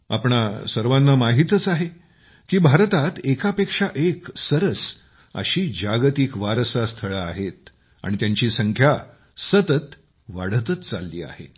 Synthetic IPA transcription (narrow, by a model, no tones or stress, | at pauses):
a̰pɳasəɾʋanːamaɦit̪ət͡saɦe | kiːbʱaɾt̪at̪ekapekʂaʔeksəɾəs | ə̰ɕiːd͡ʑaɡt̪ikʋaɾsast̪ʰəɭəaɦet̪ | a̰ɽ̃it̪jaɲt͡ɕiːsəŋkʰja | sət̪ət̪ | ʋaɽ̤ət̪ət͡st͡salːḭːa̰hḛ